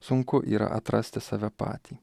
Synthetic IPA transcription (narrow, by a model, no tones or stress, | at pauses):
sʊŋkoʔiːɾɐ̰ʔɐt̪ɾʔɐsʲt̪ʲɪsɐʋʲɛpa̰ːt̪ʲʰi